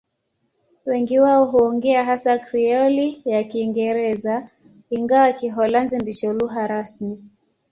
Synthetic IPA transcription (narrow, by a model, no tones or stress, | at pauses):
wɛŋɡiwaɔɦuɔŋɡɛaɦasakɾiɔlijakiːŋɡɛɾɛza | iŋɡawakiɦɔlanzindiʃɔluɦaɾasmi